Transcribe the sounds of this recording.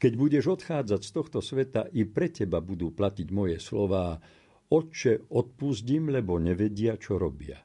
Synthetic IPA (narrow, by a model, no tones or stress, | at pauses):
kɛɟbuɟɛʒɔt̪xaːd͡zacst̪ɔxt̪ɔsʋɛt̪aʔipɾɛcɛbabud̪uːplaciɟmɔjɛslɔʋaː | ɔt͡ʃɛɔt̪̚puzɟimlɛbɔɲɛʋɛɟɪat͡ʃɔɾɔbɪa̰